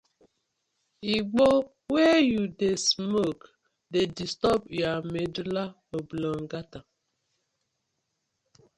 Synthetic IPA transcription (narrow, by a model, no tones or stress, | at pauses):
iɡ͡bo | wejudesmok | dedistɔbjamedula | oblɔŋɡata